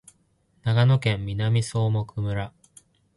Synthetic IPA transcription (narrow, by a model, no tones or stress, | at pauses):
naɡano̞kẽ̞mːʲinamʲiso̞ːmo̞kɯmɯ̟ɾa